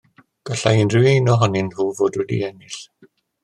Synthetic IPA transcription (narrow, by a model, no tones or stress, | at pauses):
ɡ̥aɬaɪnrɨejnɔɦɔnɪnhuːvoːdwɛdḭɛnɪɬ